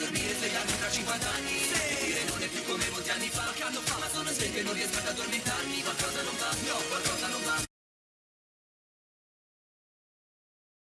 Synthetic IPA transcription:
ormiɾepleɡaɾmifɾat͡ʃːiŋkwant̪aanːiseiɾenonep̪ːukːomeːmot̪ianːifakːand̪ofamad̪ɔnosek̪enːõnrːiɛskad̪ad̪ormit̪armikwalkɔːzanonɱvasjɔkwalkɔːzanoɱva

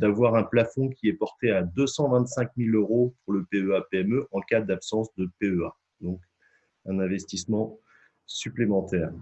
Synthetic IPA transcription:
d̪avwaʁɛ̃plafɔ̃kʲiɛpɔʁt̪ead̪øsɑ̃vɛ̃t̪sɛ̃kmiløʁopuʁləpeøapeɛmøʔɑ̃kad̪apsɑ̃sd̪əpeøa | d̪ɔ̃k | ɛ̃nɛ̃vɛst̪ismɑ̃ | syplemɑ̃t̪ɛːʁ

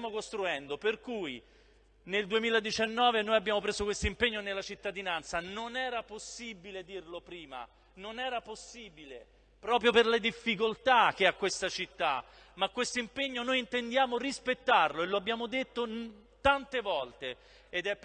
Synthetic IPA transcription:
mokost̪ɾuɛnd̪operkuj | neld̪uemiːlad̪it͡ʃanːɔːvenoːjabːjaːmopɾeːzokwest̪oimpeɲːonelːat͡ʃit̪ːad̪inant̪sanonɛːɾaposːibiled̪irlopɾiːma̰ | nonɛːɾaposːiːbile | pɾɔːpɾjoperled̪ifːikolt̪ak̟eakwest̪at͡ʃit̪ːa̰ | makːwest̪oimpeɲːonoːjint̪end̪jaːmorispet̪ːarloeloabːjaːmod̪et̪ːo | t̪ant̪evɔlt̪e | ed̪ɛp

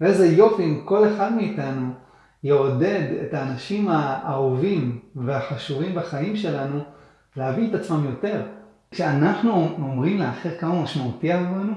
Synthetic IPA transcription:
vezejo̞fiimko̞le̞χadmeːtanu | jeode̞de̞̰taːnaʃimaːovimveaħaʃuvimbaχajimʃe̞lanu | leaviːt̪at͡smamjo̞te̞ʁ | ʃeanaχnuomʁimleaχeʁkamamaʃmautiaovanu

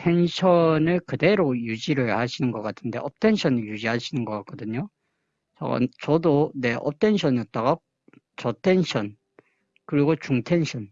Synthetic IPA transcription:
tʰe̞nɕʰʌnɯɭkɯde̞ɾojud͡ʑiɾɯɭhaɕʰinɯnɡʌk͈atʰɯnde̞ʔʌp̚tʰe̞nɕʰʌnjud͡ʑiɦaɕʰinɯnɡʌk͈ak͈ʰʌdɯɲo | t͡ɕʌ̰ɡa̰t͡ɕʌdone̞ʔʌ̰p̚tʰe̞nɕʰʌnjʌt̚t͈aɡa | t͡ɕʌtʰe̞nɕʰʌn | kɯɾiɡot͡ɕuŋtʰe̞nɕʰʌn

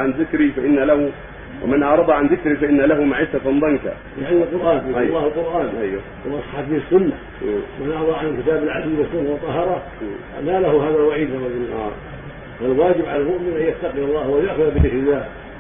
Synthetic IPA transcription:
ʕanðɪkɾifaʔɪnːalahu | wʔɪ̰manʔɑʕɾˤɑd̪ˤɑʕanðɪkɾifaʔɪnːalahʊmaʕɪsːafɑnd̪ˤɑnka̰ | lɪʕalːɪlqʊɾˤʔaːnlːɑːhalqʊɾˤʔaːnʔajwa̰kʊlʔɑsˤħɑfihɪsːʊnːa | manʔɑʕd̪ˤɑʕankɪt̪aːbɪlʕasiːwɪsːʊnːawɑt̪ˤːɑɦɑɾˤɑ | a̰malahʊɦaːðalwaʕiːd̪aaza̰ | falwaːd͡ʒɪbʕalalmʊʔmɪnʔanjat̪ːaqijɑlˤːɑːhwajaʔxʊðabɪðɪkɾɪlːaːh

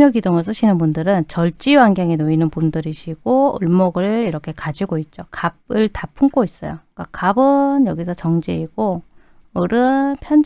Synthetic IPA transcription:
jʌɡidoŋɯɭs̬͈ʰɯɕʰinɯnbundɯɾɯnt͡ɕʌɭt͡ɕ͈iwanɡjaŋenoinɯnpundɯɾiɕʰiɡ̥oɯ̰ɭmʌɡɯɭiɾʌkʰe̞kad͡ʑiɡoit̚t͡ɕ͈okab̚ɯɭtapʰuŋk͈ʰois͈ʌ̰jo̰k͈akabɯnjʌɡisʰʌt͡ɕʌŋd͡ʑeiɡ̥o | ɯɾɯpʰjʌn

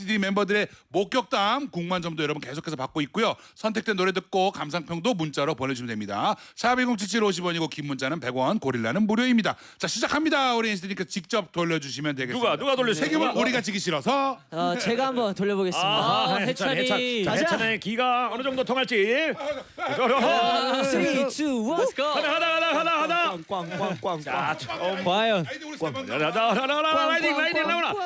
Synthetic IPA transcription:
idɯɾime̞mbʌdɯɾe̞mok͈jʌk̚t͈amkuŋmand͡ʑʌmdojʌɾʌbunke̞sʰokʰe̞s̬ʰʌpak͈̚oit̚k͈ujosʰʌntʰe̞k̚t͈enːoɾe̞dɯk̚k͈okams̬ʰaŋpʰjʌŋdomunt͡ɕ͈aɾopone̞d͡ʑuɕʰmndemɲida̰sʰabiɡoŋt͡ɕʰit͡ɕʰiɾoɕ̬ʰibʌɲiɡokimːunt͡ɕ͈anɯnpe̞ɡwʌnkoɾiɭːanɯnmuɾjoimɲida | t͡ɕaɕʰid͡ʑakʰamɲidauɾiinɕʰdeɲik͈asʰt͡ɕik̚t͡ɕ͈ʌp̚t͈oʎːʌd͡ʑuɕʰimjʌntweɡeuɡanuɡatoʎːjʌssʰeɡimɯnuɾiɡat͡ɕiɡiɕʰiɾʌsʰʌat͡ɕeɡaɦambʌntoʎːʌboɡe̞siaet͡ɕʰat͡ɕʰaanekiɡaʌnɯd͡ʑʌŋd̪ot̪ʰoŋɦaɭt͡ɕ͈ie | ʌɾ | sʰuaakadaadakadakadaŋkwaŋk͈wk͈waŋa | jo | aɾaajdinaiinːaoɾa

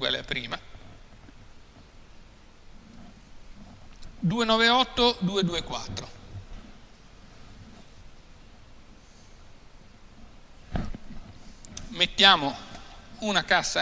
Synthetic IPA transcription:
a̰lḛapɾiːma | d̪uːenɔːveɔt̪ːod̪uːed̪uːekwa̰t̪ːɾo | met̪ːjaːmo | unakasːa

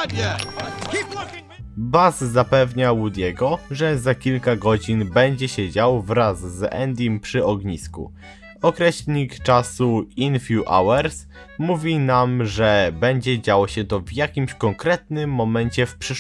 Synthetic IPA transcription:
bazzapɛvɲawud̪ʲjɛɡɔʐɛzakʲilkaɡɔd͡ʑinbɛɲd͡ʑɛɕɛd͡ʑawvɾazːɛ̰nd̪ʲjimpʂɘɔɡɲiskṵ | ɔkɾɛɕlʲɲikt͡ʂasuinfʲjuʔa̰wɛɾs | muvʲinamʐɛbɛɲd͡ʑɛd͡ʑawɔɕɛt̪ɔvjakʲimɕkɔŋkɾɛt̪nɘmːɔmɛɲt͡ɕɛfpʂɘ

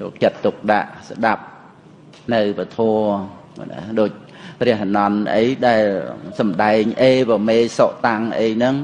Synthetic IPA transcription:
ot͡ɕət̪ːuk̚ɗa̰ʔsɗap̚ | nɨwpət̪ʰoə̰ | na̰ɗoːc̚ | prɛ̆əhnɑnʔə̰jɗaɛlsɑmɗaɛŋʔeːpəmeːsoʔt̪aŋʔəjnɨŋ

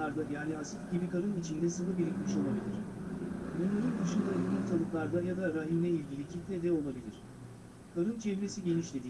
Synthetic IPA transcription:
aɾd̪ajaːniasifɟ̥ibikʰaɾɯnit͡ʃʰind̪ɛsɯnɯbiɾʲicʲmʲiʃo̞lˠabilʲiɾ̥ | munlʲˠeɾɯnd̪ɯʃɯnd̪aiikʲt̪ʰalˠɯklˠaɾd̪ajad̪aɾaɦimlʲɛilʲɟilʲicʰit̪lʲɛd̪ɛo̞lˠabilʲiɾ̥ | kʰaɾɯnt͡ʃʰevɾe̞siɟe̞niʃlʲe̞d̪iː

